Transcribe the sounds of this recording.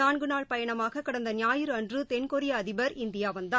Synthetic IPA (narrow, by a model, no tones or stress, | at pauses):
aːɳɡɯnaːɭpɐjɐɳɐmaːɣɐkːɪɽɐnd̪ɐnɪjaːjɯɾɐndrɯt̪ɛnkoɾɪjaːðɪbɐɾɪnd̪ɪjaːʋɐnd̪aː